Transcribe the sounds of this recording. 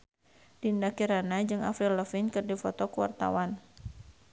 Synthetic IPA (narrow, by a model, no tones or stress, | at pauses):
d̥indakiɾanad͡ʒɨŋa̰fɾiləfɪnkɨrdifɔt̪ɔkuwa̰rt̪a̰wan